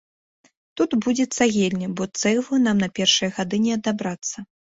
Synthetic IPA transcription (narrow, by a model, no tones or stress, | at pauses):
t̪ut̪bud͡zʲɛt̪saɣʲelʲnʲɐbɔt̪sɛjvunamnɐpʲɛrʂɨjɛɣad̪ɨnʲɛɐd̪abɾat̪sːɐ